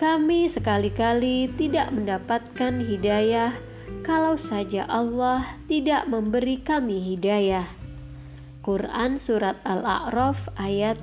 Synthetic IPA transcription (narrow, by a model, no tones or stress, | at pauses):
kamisəkalikalit̪idaʔməndapat̪̚kanɦidajah | kalawsad͡ʒa̰ʔɑlːaht̪idaʔməmbəɾikamiɦidajah | kurʔansuɾat̪̚ala̰ʔɾɔfʔajat̪̚